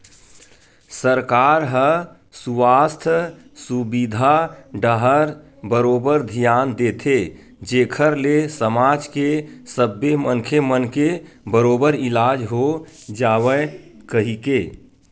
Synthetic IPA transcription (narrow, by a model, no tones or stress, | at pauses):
səɾkaɾɦə | suwaːst̪ʰ | subid̪ʱaɖəɦəɾ | bəɾoːbəɾd̪ʱijaːnd̪eːt̪ʰe | d͡ʒeːkʰəɾlesəmaːd͡ʒkesəbːemənkʰemənke | bəɾoːbəɾɪlad͡ʒɦo | d͡ʒaːwəkəɦike